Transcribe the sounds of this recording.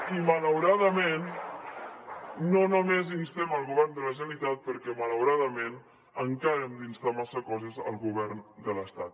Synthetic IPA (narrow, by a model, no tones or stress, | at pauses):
imələwɾaðəmen | onomezinst̪eməlˠɣuβɛrnd̪ələʒənit̪at̪̚pəɾkɛmələwɾaðəmen | əŋkaɾəmd̪inst̪amasəkɔzəzəlˠɣuβɛrnd̪ələst̪at̪